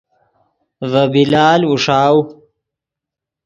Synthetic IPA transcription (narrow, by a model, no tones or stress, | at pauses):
vɐbilaːluʂaːw